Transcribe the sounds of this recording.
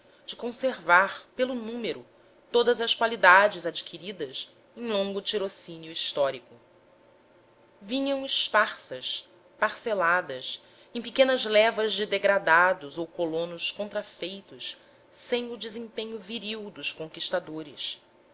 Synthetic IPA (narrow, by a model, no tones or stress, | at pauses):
d͡ʒɪkõseɾvaɾpelʊnũmeɾʊ | t̪od̪ɐzɐskwalid̪ad͡ʒɪzad͡ʒikʰiɾid̪ɐs | ẽj̃lõŋɡʊt͡ʃiɾosĩniuist̪ɔɾikʊ | vĩɲɐ̃w̃ispaχsɐs | paɾselad̪ɐs | ẽj̃pikẽnɐzlɛvɐzd͡ʒɪd̪eɡɾad̪ad̪ʊzowkolõnʊskõnt̪ɾafejt̪ʊs | sẽj̃ud͡ʒɪzẽpẽɲʊviɾiwd̪ʊʃkõŋkiʃt̪ad̪oɾɪs